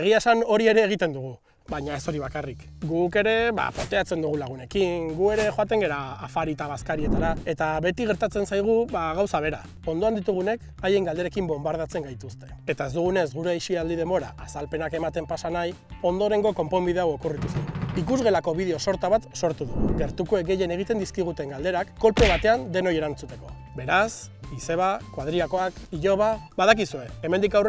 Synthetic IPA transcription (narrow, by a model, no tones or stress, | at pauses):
eɣ̞iasano̞ɾie̞ɾe̞ːɣ̞it̪e̞nd̪uɣ̞u | βaɲae̞so̞ɾiβ̞akarik | ɡuke̞ɾe̞βa̰pant̪e̞at͡se̞nd̪uɣ̞ulaɣ̞une̞kiŋɡue̞ɾe̞xo̞at̪e̞ŋɡe̞ɾaːfaɾit̪aβaskaɾie̞t̪aɾae̞t̪aβe̞t̪iɣe̞ɾt̪at͡se̞nsajɣ̞uβaɣ̞awsaβ̞e̞ɾa̰ | o̞nd̪o̞and̪it̪uɣ̞une̞k | aje̞ŋɡald̪e̞ɾe̞kimbo̞mbaɾð̞at͡se̞ŋɡajt̪ust̪e̞̥et̪ae̞zd̪uɣ̞une̞zɣuɾeajʃiald̪ið̞e̞mbo̞ɾa̰ʔasalpe̞nake̞mat̪e̞mpasanaj | o̞nd̪o̞ɾe̞ŋɡo̞ko̞mpo̞mbið̞e̞awo̞kurit̪usṵikuzɣe̞lako̞βið̞eo̞so̞ɾt̪aβat̪so̞ɾt̪uðṵɣṵɡe̞ɾt̪uko̞ek̚ɡe̞je̞ne̞ɣ̞it̪e̞nd̪iskiɣ̞ut̪e̞ŋɡald̪e̞ɾakːo̞lpe̞β̞at̪e̞and̪e̞no̞je̞ɾant͡sut̪e̞ko̞̰ | be̞ɾasise̞βakwaðɾiako̞akiʎo̞β̞aβaðak̬isue̞eme̞nd̪ikawr